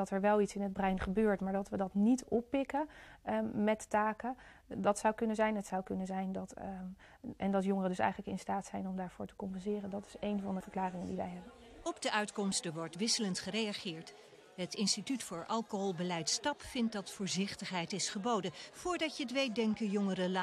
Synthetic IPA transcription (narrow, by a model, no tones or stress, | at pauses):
ɑtɛɹʋɛlˠitsɪnɦəd̚brɛjnχəbøːɹtmaːɹdɑtʋədɑtnitɔpːɪkə | mɛtːaːkə | dɑtsɑwkɵnənzɛjnɦətsɑwkɵnənzɛjndɑt | ʔɛndɑtjɔŋərədɵsɛ̰jχələkɪ̰nstaːtsɛjnɔmdaːɹv̥ʊːɹtə̥kɔmpɛnzɪːrəndɑtɪ̥sejnvɑndəvəɹklaːrɪŋəndiʋɛ̰jɦɛbən | ɔbdəʔœɥtkɔmstəʋɔɹtʋɪsələntχəɾejaχɪːɹt | ɦətɪnstitytfʊːɹʔɑlˠkoɦɔlˠbəlɛjtstɑpfɪnt̚dɑtfʊːɹzɪχtəχɦɛjtɪsχəbowdəv̥ʊːɹdɑtjətʋejdɛŋkəjɔŋərəla